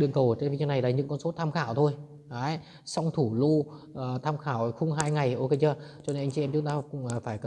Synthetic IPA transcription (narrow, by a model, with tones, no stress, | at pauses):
ɗɨ˧˨əŋkə˨˩wt͡ɕe˧nvi˧˨ɲə˨˧˦na˨˩jlaː˨˩ɲɨ̰˧˥ŋkɔ˧nso˨˦t̪ʰaː˧mxaː˧˩wt̪ʰo˧j | ʔaː˨˦j | sa˧wŋ͡mt̪ʰu˧˩lu˧˨˩t̪ʰaː˧mxaː˧˩wxʊ˧wŋ͡mɦaː˧jŋa˨˩jʔo˧ke˧ɲaː˧˩t͡ɕɔ˧e˧nʔjŋt͡ɕi˧ɛ˧mt͡ɕʊ˨˦ŋ͡mt̪aː˧kʊ̰˧˥ŋ͡mfaː˧˩jk